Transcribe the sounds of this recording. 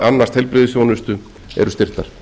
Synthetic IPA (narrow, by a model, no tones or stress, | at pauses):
anːast̪hɛjlpɾɪːðɪsjownʏst̪ʏ | ɛ̰ɾʏst̪ɪr̥t̪aɾ̥